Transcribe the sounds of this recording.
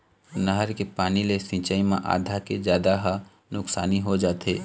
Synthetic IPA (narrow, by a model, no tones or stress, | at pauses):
nəɦəɾkepaːnilesĩːt͡ʃaːimẽʔa̰ːd̪ʱaked͡ʒjaːd̪aɦa | nʊksaːniɦod͡ʒaːt̪eː